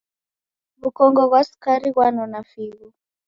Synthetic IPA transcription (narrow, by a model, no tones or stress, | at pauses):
βukɔŋɡɔɣwaskaɾiɣwanɔnafiɣu